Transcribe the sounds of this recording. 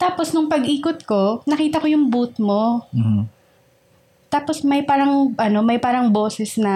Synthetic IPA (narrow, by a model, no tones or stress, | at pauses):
t̪aːposnʊŋpɐɡʔiːkot̪̚ko̞nɐkiːt̪ɐko̞jʊŋbuːt̪̚mo | t̪aːpo̞smɐjpaːɾɐŋʔɐno̞mɐjpaːɾɐŋboːsɛsnɐ